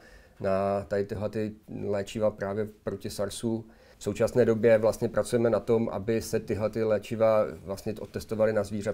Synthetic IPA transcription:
nat̪adɪt̪ɪɦlɛt̪ɪlɛːt͡ʃɪvapɾaːvjɛpɾo̞cɪsaɾsu | fso̞wt͡ʃasnɛːdo̞bjɛvlast̪ɲɛpɾʔat͡sujɛmɛnat̪o̞mʔa̰bɪsɛt̪ɪɦlɛt̪ɪlɛːt͡ʃɪvavlast̪ɲɛʔot̪ːɛst̪o̞valɪnazviːr̝ɛ

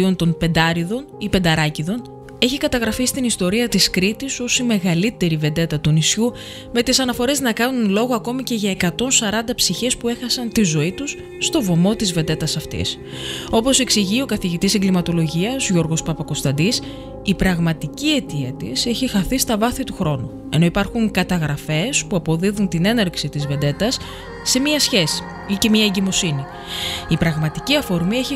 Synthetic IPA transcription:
io̞nt̪o̞npe̞nd̪ɐɾiðo̞nipend̪ɐɾɐciðo̞n | e̞çikɐt̪ɐɣɾɐfist̪inist̪o̞ɾiɐt̪iskɾit̪iso̞sime̞ɣɐlit̪e̞ɾive̞nd̪e̞t̪ɐt̪unisçu | me̞t̪isɐnɐfo̞ɾe̞znɐkɐnunlo̞ɣoɐko̞mice̞ʝɐekɐt̪o̞nsɐɾɐnd̪ɐpsiçe̞spue̞xɐsɐnt̪izo̞it̪usː | t̪o̞vo̞mo̞t̪izve̞nd̪e̞t̪ɐsɐft̪ḭs | o̞po̞se̞ksiʝio̞kɐθiʝit̪iseŋɡlimɐt̪o̞lo̞ʝiɐzʝo̞ɾɣo̞spɐpɐko̞st̪ɐnd̪is | ipɾɐɣmɐt̪icie̞t̪iɐt̪ḭse̞çixɐθist̪ɐvɐθit̪uxɾo̞nu | e̞no̞ipɐɾxuŋkɐt̪ɐɣɾɐfe̞spuɐpo̞ðiðunt̪ine̞neɾksit̪izve̞nd̪e̞t̪ɐsː | e̞miɐsçe̞si̥ | ice̞miɐeɲɟimo̞sini | ipɾɐɣmɐt̪iciɐfo̞ɾmie̞çi

